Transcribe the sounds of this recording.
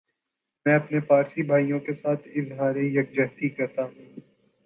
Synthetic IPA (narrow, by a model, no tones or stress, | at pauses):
mɛ̃ːɐpnepaːɾsibʱaːijõkesaːt̪ʰɪzɦaːɾejɐk̚d͡ʒɐɦt̪ikɐɾt̪aɦũː